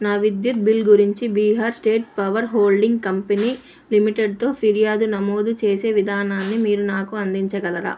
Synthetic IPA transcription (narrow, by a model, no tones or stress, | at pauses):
naːʋid̪jut̪̚bilɡuɾiɲt͡ʃibiːɦaːɾsʈe̞ːʈ̚pɐʋɐɾɦoːlɖiŋɡkɐmpeniː | limiʈeɖ̚t̪o̞ːpʰiɾijaːd̪unɐmoːd̪ut͡ʃe̞ːse̞ːʋid̪ʱaːnaːnːimiːɾunaːkuɐnd̪iɲt͡ʃɐɡɐlɐɾa̰ː